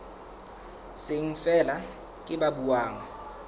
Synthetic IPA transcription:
sɪŋ̩fɛla | kʼɪɓaɓuwaːŋa

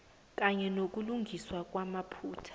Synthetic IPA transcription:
k̬ʼaɲɛnok̬ʼuluŋɡʱiswak̬ʼwamapʰuːtʰḁ

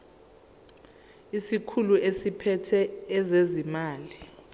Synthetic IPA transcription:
isikʰuluʔesipʰɛtʰɛɛzezimaːli

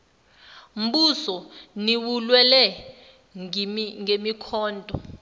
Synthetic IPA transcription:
m̩ɓusɔniwulwɛlɛ | ŋemikʰɔːndʱʼɔ

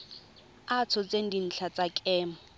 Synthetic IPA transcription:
at͡sʰɔt͡sen̩din̩t͡ɬʰat͡sʼakʼɛːma

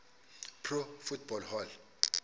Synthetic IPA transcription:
pʰrofut̚ʰb̥ɔlhɔl

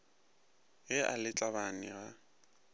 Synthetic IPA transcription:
jɪʔa̰lɪt͡ɬʼaβanɪɣa

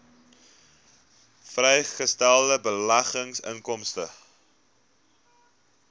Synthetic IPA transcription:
frɛjχəstælˠdəbəlɐχəŋsə̰ŋkɔmstə̰

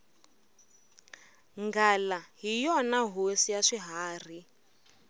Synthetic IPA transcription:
ŋɡalaɦijɔnaɦosijaʂiɦaːr̤i

